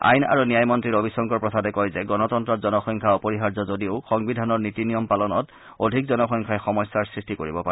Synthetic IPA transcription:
a̰jna̰ɹunijajmɔntɹiɹobisɔŋkɔɹpɹɔtʰadɛkɔjzɛɡɔnɔtɔntɹɔtzɔnɔxɔŋkʰaɔpɔɹiɦaɹzɔzodioʊxɔŋbidʱanɔɹnitinijɔmpalɔnɔt | odʱik̚zɔnɔxɔjŋkʰajɛxɔmɔjsːaɹsɹistikoɹḭbɔpa̰

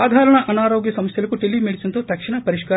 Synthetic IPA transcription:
aːd̪ʱaːɾɐɳɐʔɐnaːɾoːɡjɐsɐmɐsjɐlɐkːuʈilimeɽisɐnt̪oːt̪ɐkʂɐɳɐpɐɾiʃka

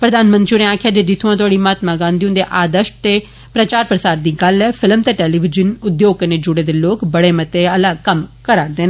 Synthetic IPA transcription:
pɾəd̪aːnmə̃nt̪d͡ʒʊnẽãːkʰjaːd͡ʒeːd̪ɪt̪ʰuãːt̪ʊaːɽiːmaːt̪mãːɡãːnd̪iʊ̃nd̪eːʔaːd̪əʃt̪eː | pɾət͡ʃaːɾpɾəsaːɾd̪iːɡəlːɛːpʰɪləmt̪eːʈeːliːʋɪd͡ʒənʊd̪joːɡkneːd͡ʒʊɽeːd̪eːloːkbəɽeːmət̪eːəlaːkəmkəɾaːɾd̪eːnaː

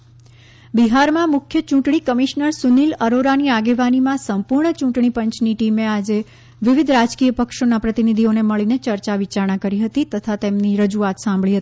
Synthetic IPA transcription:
biɦaɾmãmʊkʰjət͡ʃũʈɳ̃ikəmiʃnəɾsuniləɾoɾaniaɡeʋanimãsəmpuɾɳət͡ʃũʈɳ̃ipə̃ɲt͡ʃniʈimead͡ʒe | ʋɪʋɪd̪ʱɾad͡ʒkijəpəkʃonapɾət̪inid̪ʱioneməɭinet͡ʃəɾt͡ʃaʋit͡ʃaɾɳ̃ãkəɾiɦət̪it̪ət̪ʰat̪emniɾəd͡ʒuat̪sãmbʱɭiɦət̪i̥

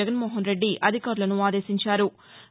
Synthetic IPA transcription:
ɐɡɐnmoːɦɐnɾe̞ɖːiʔɐd̪ʱikaːɾulɐnuaːd̪e̞ːsiɲt͡ʃaːɾu

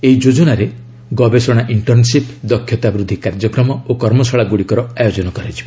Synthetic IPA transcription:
eid͡ʒod͡ʒɔnaɾe | ɡɔbesɔɽ̃aʔiɳʈɔɾnsipd̪ɔkʰjɔt̪abɾud̪ʱːikaɾd͡ʒɔkɾɔmɔokɔɾmɔsɔɭaɡuɽikɔɾɔajod͡ʒɔnɔkɔɾet͡ʃʰib

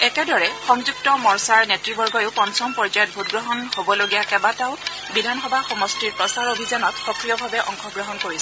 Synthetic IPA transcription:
ɛkɛdɔɹɛxɔŋzuktɔmɔɹsaɹnetɹibɔɹɡɔjʊpɔnsɔmpɔɹd͡ʒajɔt̚bʱutɡɹɔɦɔnhobɔloɡijakɛbataʊ | bidʱanxɔbʱaxɔmɔstiɹpɹɔsaɹobʱizanɔtxɔkɹijɔbʱabɛʔɔ̰ŋxɔɡɹɔɦɔnkoɹisɛ

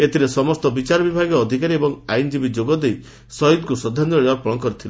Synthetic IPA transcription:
et̪ʰiɾesɔmɔst̪ɔbit͡ʃaɾɔbibʱaɡɔːd̪ʱikaɾiebɔŋajnd͡ʒibid͡ʒoɡɔd̪ej | sɔid̪kusɔd̪ʱːanɔɾapɔɽ̃ɔkɔɾit̪ʰila

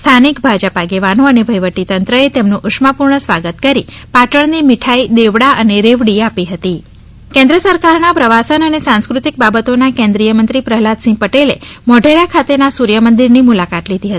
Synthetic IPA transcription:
st̪ʰanikbʱad͡ʒəpaɡeʋanoənebʱəjʋəʈit̪ənt̪ɾəet̪emnũʔʊʂmapuɾɳəsʋaɡət̪kəɾipaʈəɳ̃nimiʈʰaid̪eʋɽaʔəneɾeʋɽiapiɦət̪i | kɛ̃nd̪ɾəsəɾkaɾnapɾəʋasənənesãnskɾut̪ik̚babət̪onakẽnd̪ɾijəmənt̪ɾipɾəɦlad̪sĩpəʈelḛmɔɖʱeɾakʰat̪enasuɾjəmənd̪iɾnimulakat̪lid̪ʱiɦət̪i̥

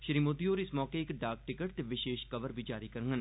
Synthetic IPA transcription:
ʃəɾiːmoːd̪ioːɾɪsmɔːkeɪkɖaːk̚ʈɪkəʈt̪eʋɪʃeːʃkɐʋəɾbʱid͡ʒaːɾikəɾŋɡən

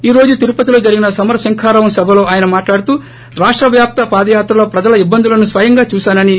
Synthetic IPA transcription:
iːɾo̞ːd͡ʒut̪iɾupɐt̪ilo̞ːd͡ʒɐɾiɡinɐsɐmɐɾɐsɐŋkʰaːɾɐʋɐmsɐbʱɐlo̞ːʔaːjɐnɐmaːʈlaːɽut̪uː | ɾaːʂʈɾɐʋjaːp̚t̪ɐpaːd̪ɐjaːt̪ɾɐloːpɾɐd͡ʒɐlɐibːɐnd̪ulɐnusʋɐjɐŋɡaːt͡ʃuːsaːnɐni

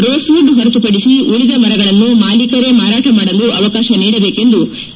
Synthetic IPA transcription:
ɾoːsuːɖɦɐɾɐt̪upɐɽisiuɭid̪ɐmɐɾɐɡɐɭɐnːumaːlikɐɾe̞maːɾaːʈɐmaːɽɐluʔɐʋɐkaːʃɐniːɽɐbeːke̞nd̪u

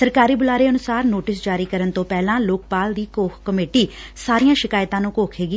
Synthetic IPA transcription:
səɾkaːɾiːbʊlaːɾeːənʊsaːɾnoːʈɪs̬d͡ʒaːɾiːkəɾənt̪õːpɛːlãːloːk̚paːld̪iːkoːkʰkəmeːʈiː | saːɾijãːʃɪkaːjt̪ãːnũːkoːkʰeːɡi

